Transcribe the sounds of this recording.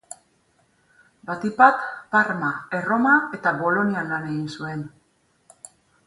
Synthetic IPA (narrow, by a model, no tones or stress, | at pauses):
bat̪ipat̪paɾmae̞ro̞mae̞t̪aβo̞lo̞nianlane̞ɣinsue̞n